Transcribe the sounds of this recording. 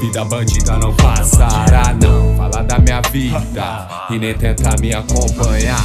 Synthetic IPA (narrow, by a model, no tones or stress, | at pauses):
id̪abɐ̃d͡ʒiɡ̪ɐnɐ̃w̃pasaɾanɐ̃w̃falad̪amĩɲɐvid̪ɐ | kɪnẽj̃t̪ẽt̪amiakõpɐ̃ɲa